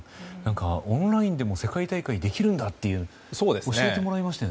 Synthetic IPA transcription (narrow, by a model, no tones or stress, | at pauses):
nãŋkaõnɾaĩnd̪e̞mo̞se̞kait̪aikaid̪e̞kʲiɾɯ̟̃nd̪at̪ːe̞jɯ̟ | soːd̪eso̞ɕiet̪e̞mo̞ɾaimaɕi̥t̪e